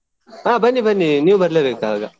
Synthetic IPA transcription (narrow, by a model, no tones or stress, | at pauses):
aːbɐnːibɐnːiniubɐɾlebeːkaːɡa